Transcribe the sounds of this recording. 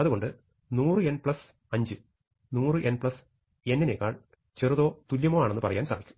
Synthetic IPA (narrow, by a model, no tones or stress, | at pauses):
ɐðuɣo̞ɳɖɨ | nuːrɨe̞npɭɐs | ɐɲd͡ʑɨ | nuːrɨʔe̞npɭɐs | e̞nːinekːa̰ːɭ | t͡ɕeruðo̞ːt̪uljɐmoːaːenːɨpɐ̰rɐja̰ːnsa̰ːʋikʲːu̥